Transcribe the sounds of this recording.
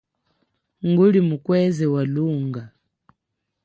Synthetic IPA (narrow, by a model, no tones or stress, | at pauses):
ŋɡulimukwɛzɛwaluːŋɡa